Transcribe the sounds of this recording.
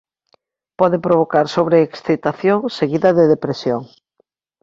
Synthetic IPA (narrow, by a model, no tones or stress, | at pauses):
pɔðepɾoβ̞okaɾsoβɾeːksθit̪aθjoŋseɣiðɐðeðepɾesjoŋ